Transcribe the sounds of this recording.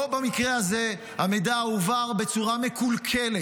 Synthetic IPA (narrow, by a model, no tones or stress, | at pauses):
obamikʁehaze | hamejd̪auvaʁbe̞t͡suʁame̞kulkʰele